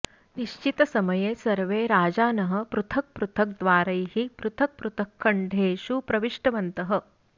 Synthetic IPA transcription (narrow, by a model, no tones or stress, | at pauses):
niʃt͡ʃit̪ɐsɐmɐjeːsɐɾʋeːɾaːd͡ʒaːnɐɦɐ̆pɾut̪ʰɐk̚pɾut̪ʰɐk̚d̪ʋaːɾɐjhipɾut̪ʰɐk̚pɾut̪ʰɐkʰːɐɳɖʱeːʃupɾɐʋiʂʈɐʋɐnt̪ɐɦɐ̆